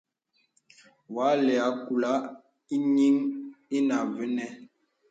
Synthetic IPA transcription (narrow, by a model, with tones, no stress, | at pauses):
wa˨˦lɛ˨a˨˦ku˨la˦ | i˦ɲi˦ŋi˦na˨ve˦nɛ˦